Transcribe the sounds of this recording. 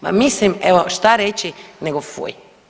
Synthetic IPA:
ma̰mislimɛʋoʃt̪aɾɛt͡ʃinɛɡofo̰j

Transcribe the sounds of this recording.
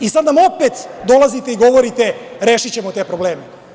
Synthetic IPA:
isad̪namopet̪d̪o̞lˠazit̪eiɡo̞ʋoɾit̪e̞ɾeːʃit͡ɕemot̪e̞ːpɾoble̞ːme

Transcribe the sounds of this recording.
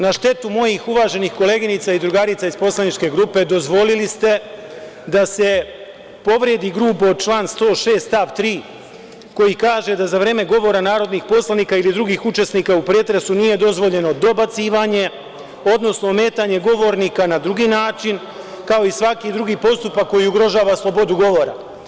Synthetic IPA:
naʃt̪e̞t̪umo̞jixuʋaːʒe̞nixko̞le̞ːɡinit̪said̪ɾuɡaːɾit̪saizpo̞slˠanit͡ʃke̞ɡɾuːpe̞d̪o̞zʋo̞lilist̪e̞ | d̪ase̞ | po̞ʋɾe̞d̪iɡɾuːpot͡ʃlˠaːnst̪o̞ːʃe̞ːst̪t̪aʋt̪ɾiː | ko̞jikaːʒe̞d̪azaʋɾe̞ːme̞ɡo̞ʋo̞ɾanaːɾo̞d̪nixpo̞slˠaniːkailid̪ɾuɡiːxut͡ʃe̞sniːkaupɾeːt̪ɾesunije̞d̪o̞zʋo̞ʎe̞no̞d̪o̞bat̪siːʋaɲe̞ | o̞d̪no̞sno̞me̞ːt̪aɲe̞ɡo̞ʋo̞ɾniːkanad̪ɾuɡiːnaːt͡ʃin | kao̞isʋakid̪ɾuɡiːpo̞st̪upakːo̞jiuɡɾo̞ʒaːʋaslˠo̞bo̞d̪uɡo̞ʋo̞ɾa̰

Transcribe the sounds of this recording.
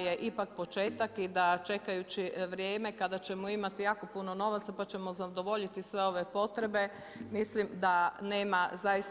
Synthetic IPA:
jeʔipak̚po̞t͡ʃeːt̪akid̪at͡ʃe̞kajut͡ɕiʋɾjeːme̞kad̪at͡ɕe̞moimat̪ijaːko̞punono̞ʋat̪sapat͡ɕe̞mozad̪o̞ʋo̞ʎit̪isʋe̞o̞ʋe̞po̞t̪ɾe̞be̞ | mislimd̪ane̞ːmazajis

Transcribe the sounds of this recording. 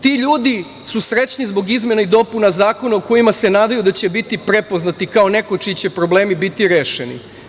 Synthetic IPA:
t̪iʎuːd̪i | susɾe̞t͡ɕnizbo̞ɡizme̞naid̪o̞punazaːko̞naoko̞jimase̞naːd̪ajud̪at͡ɕe̞bit̪ipɾe̞po̞znat̪ikao̞ne̞kot͡ʃit͡ɕe̞pɾo̞ble̞ːmibit̪iɾeːʃenḭ

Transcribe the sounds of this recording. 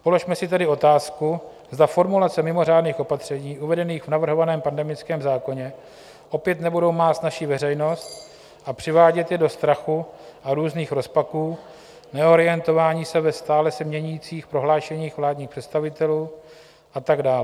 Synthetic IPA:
po̞lo̞ʃmɛsɪt̪ɛdɪo̞t̪aːsku | zd̪afo̞ɾmulat͡sɛmɪmo̞r̝aːdniːxo̞pat̪r̝̥ɛɲiːʔuvɛdɛniːxvnavr̩ɦo̞vanɛːmpandɛmɪt͡skɛːmzaːko̞ɲɛ | ʔo̞pjɛt̪nɛbudowmaːt̪naʃivɛrɛjno̞st̪ | ʔapr̥ɪvaːɟɛt̪jɛdo̞st̪ɾaxuʔaɾuːzniːxɾo̞spakuː | nɛo̞ɾɪjɛnt̪o̞vaːɲiːsɛvɛst̪aːlɛsɛmɲɛɲuiːt͡siːxpɾo̞ɦlaːʃɛɲiːxvlaːdɲiːxpr̥ɛt̪st̪avɪt̪ɛluː | ʔat̪aɡdaːlɛ

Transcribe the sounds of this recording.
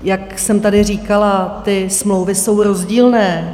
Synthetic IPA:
jaksɛmt̪adɪriːkalat̪ɪsmlowvɪso̞wɾo̞zɟiːlnɛː

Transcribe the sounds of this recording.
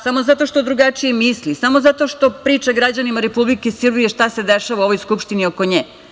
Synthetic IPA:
samozat̪o̞ʃt̪od̪ɾuɡat͡ʃijemislisamo̞zat̪o̞ʃt̪o̞pɾiːt͡ʃaɡɾad͡ʑanimaɾepublikesr̩bije̞ʃt̪ase̞d̪eʃaʋauo̞ʋojskupʃt̪inioko̞ɲeː

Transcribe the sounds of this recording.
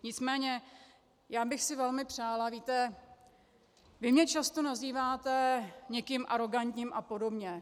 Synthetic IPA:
ɲɪt͡smɛːɲɛ | jaːbɪxsɪvɛlmɪpr̝̥aːlaviːt̪ɛ | vɪmɲɛt͡ʃast̪o̞naziːvaːt̪ɛɲɛkɪmʔaɾo̞ɡant̪ɲiːmʔapo̞do̞bɲɛ

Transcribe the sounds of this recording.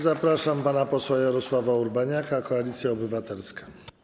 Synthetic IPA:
zapɾaʂampanapɔswajaɾɔswavauɾbaɲakakɔalʲit̪sʲjaɔbɘvat̪ɛlskḁ

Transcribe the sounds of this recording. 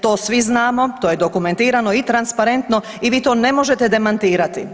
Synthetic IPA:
t̪o̞ːsʋiznaːmo̞t̪oːjed̪okume̞nt̪iːɾano̞it̪ɾanspaɾe̞nt̪no̞ | iʋiːt̪o̞ːne̞mo̞ʒe̞t̪ɛd̪emant̪iːɾat̪i

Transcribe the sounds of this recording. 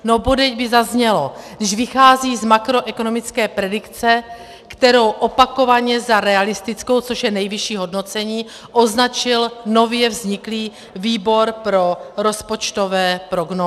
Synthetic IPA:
nobodɛɟbɪzazɲɛlo̞dɪʃvɪxaːziːzmakɾo̞ʔɛkono̞mɪt͡skɛːpɾɛdɪkt͡sɛ | kt̪ɛɾo̞wʔo̞pako̞vaɲɛzaɾɛalɪst̪ɪt͡sko̞wt͡soʃjɛnɛjvɪʃiːɦo̞dno̞t͡sɛɲiː | ʔo̞znat͡ʃɪlno̞vjɛvzɲɪkliː | viːbo̞ɾpɾo̞ɾo̞spo̞t͡ʃt̪o̞vɛːpɾoɡnoː

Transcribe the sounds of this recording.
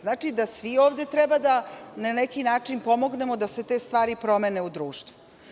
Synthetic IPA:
znaːt͡ʃid̪asʋioːʋd̪e̞t̪ɾɛbad̪ananekinaːt͡ʂinpo̞mo̞ɡne̞mod̪ase̞t̪e̞st̪ʋaːɾipɾo̞meneud̪ɾuːʃt̪ʋu

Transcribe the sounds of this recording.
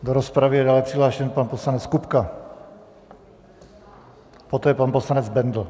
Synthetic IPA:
d̪oɾospɾavɪjɛdaːlɛpriɦlaːʃɛnpanposlanɛt͡skupka | pot̪ɛːjɛpanposlanɛd͡zbɛnd̪l̩

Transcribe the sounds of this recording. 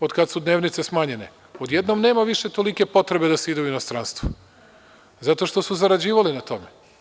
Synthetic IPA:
od̪kad̪sud̪ne̞ːʋnit̪sesmaːɲe̞ne | o̞d̪jed̪nomne̞ːmaʋiʃe̞t̪o̞like̞po̞t̪ɾe̞bed̪aseid̪euinost̪ɾanst̪vʋu | zat̪o̞ʃt̪o̞suzaɾad͡ʑiːʋalinat̪o̞me

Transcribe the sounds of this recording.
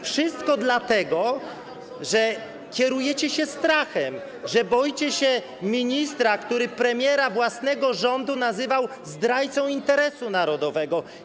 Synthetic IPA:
fʂɘst̪kɔd̪lat̪ɛɡɔ | ʐɛ | kʲjɛɾujɛt͡ɕɛɕɛst̪ɾaxɛm | ʐɛbɔjt͡ɕɛɕɛ | mʲiɲist̪ɾakt̪uɾɘpɾɛmʲjɛɾavwasnɛɡɔʐɔnd̪unazɘvawzd̪ɾajt̪sɔ̃w̃int̪ɛɾɛsunaɾɔd̪ɔvɛɡɔ

